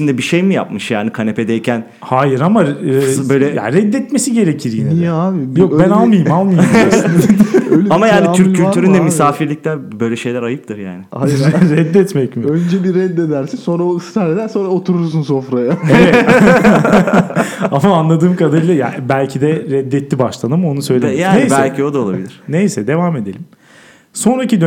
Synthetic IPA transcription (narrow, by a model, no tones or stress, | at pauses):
ʃimd̪ɛbiʃejmɯja̰pmɯʃja̰ːnikʰanepʰed̪ɛjcʰæn | haːjiɾamabøjlʲɛja̰ɾɛd̪ːɛt̪mesiɟe̞ɾecʰiɾjinijɛabijokbænalˠmajɯmalˠmajm | ølamajaːnit̪ʰyɾ̚ʰːylʲt̪ʰyɾynd̪ɛmisaːfiɾlʲic̚lʲæbø̞jlʲɛʃe̞jlʲæɾajɯp̚t̪ʰɯɾja̰ːnɪaɾɛd̪ːɛt̪mɛcmiønd͡ʒɛbiɾɛd̪ːed̪æɾsinsonɾaoist̪aɾed̪ænso̞nɾaot̪ʰuɾuɾs̬unsofɾajaevɛ | amaːnlˠad̪ɯːmkʰad̪aɾɯjlˠaja̰bælʲcʰid̪ɛɾɛd̪ːɛt̪ːibaʃlˠanamo̞nusø̞jlʲejaːsɛlʲcʰio̞d̪aolˠabilʲiɾ̥nejsɛd̪e̞vaːmed̪elʲimm | so̞nɾacid̪